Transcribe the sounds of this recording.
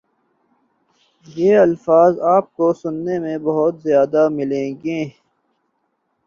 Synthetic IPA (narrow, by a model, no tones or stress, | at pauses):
jeːɐlfaːzaːp̚kosʊnːemẽbɐɦʊt̪zjaːd̪amɪlẽːɡẽː